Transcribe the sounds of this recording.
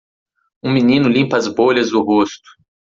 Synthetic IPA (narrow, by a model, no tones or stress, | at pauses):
ũminĩnʊlĩpɐːzboʎɐzd̪ʊɦost̪ʊ̥